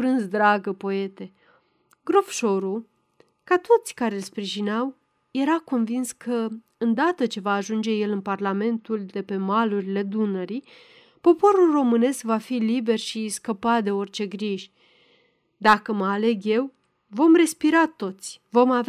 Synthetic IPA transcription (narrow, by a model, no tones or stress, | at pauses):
fɾɨnsd̪ɾaɡəpo̞e̞t̪e̞ | ɡɾo̞fʃo̞ɾu | kat̪o̞t̪sʲkaɾelʲspɾiʒineaw | je̞ɾako̞nvinskʰə | ɨnd̪at̪ət͡ʃe̞vaːʒund͡ʒe̞je̞lɨnparlame̞nt̪uld̪e̞pe̞maluɾile̞d̪unəɾi | po̞po̞ɾulro̞mɨne̞skvafilibe̞rʃiskəpat̪̚d̪e̞o̞rt͡ʃe̞ɡɾiʒʲ | d̪akəməale̞ɡje̞w | vo̞mre̞spiɾat̪o̞t̪sʲvo̞mav